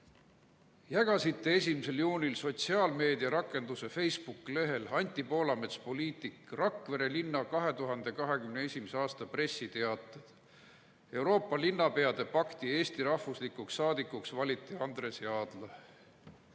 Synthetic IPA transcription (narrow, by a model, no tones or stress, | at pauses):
jæɡ̥ɑsit̪ːe̞e̞s̬ʲimise̞ljuːnʲilso̞t̪siɑːlme̞ːd̪iɑɾɑkːˑe̞nd̪use̞fe̞jspukːˑile̞ɦe̞lɑnʲt̪ʲːˑipo̞ːlɑmet̪spo̞liːt̪ˑikrɑkːˑve̞ɾe̞linːɑkɑɦe̞t̪uɦɑnd̪e̞kɑɦe̞kymneesʲimise̞ɑːst̪ɑpre̞sːit̪eɑt̪ːˑɑd̪̥ | e̞wɾo̞ːpːˑɑlinːɑpe̞ɑd̪̥e̞pɑkt̪ie̞ːst̪iɾɑhvuslikuksːɑːd̪ikːˑuksvɑlʲit̪ːˑiɑnd̪re̞siɑːd̪̥lɑ